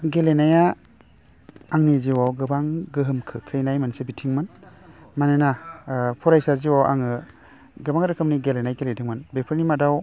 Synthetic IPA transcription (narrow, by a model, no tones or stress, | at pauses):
ɡelenaja | ŋniziwawɡɯbaŋɡɯɦɯmkʰɯkʰlejnajmansebitʰiŋmɯnmanenapʰɔɾajsaziwawʔa̰ŋɯ | ɡɯbaŋɾɯkʰɯmniɡelenajɡelejdiŋmɯnbepʰɯɾnimadaw